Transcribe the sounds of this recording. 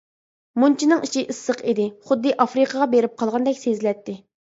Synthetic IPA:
munt͡ʃʰinɨŋiʃiʔɨsːəqid̪ɪχʊd̪ːɨʔɑfɾɨqʰəʁɑbeɾɪp̚qʰɑlˠʁɑnd̪ɛkʲsezlɛt̪ːɪ

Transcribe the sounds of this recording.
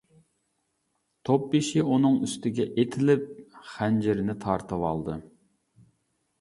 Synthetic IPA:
t̪ʰop̚biʃɪunɨŋyst̪ɪɡʲɛʔet̪ʰɪlɪp̚χænd͡ʒɪɾɪnɪt̪ʰɑɾt̪ʰɨwɑ̰lˠd̪ɨ

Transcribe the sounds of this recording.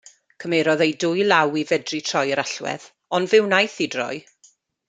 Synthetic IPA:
kʰəmeɾɔðejdʊjlˠawivɛdritʰr̥ɔjəɾaɬwɛ̰ð | ɔndvɪwnajθidrɔ̰j

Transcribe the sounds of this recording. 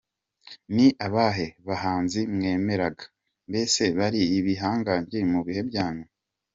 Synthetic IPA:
niʔaβaːɦe̞βaɦaːnzimŋe̞ːme̞ɾaɡḁ | mbe̞se̞βaɾiːβiɦaːŋɡaɲemuβihe̞bɟaːnu

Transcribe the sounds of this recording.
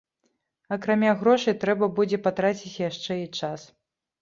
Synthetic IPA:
ɐkɾamʲaɣɾɔʂɨt̪ɾɛbɐbud͡zʲɛpat̪ɾat͡sʲit͡sʲjaʂt͡ʂɛit͡ʂas

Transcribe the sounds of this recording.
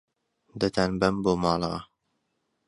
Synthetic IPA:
d̪ɐt̪ʰanbɐmboːmɑːlˠɑ̰

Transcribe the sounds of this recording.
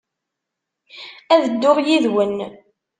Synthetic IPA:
æðəd̪ːʊʁjiðwən

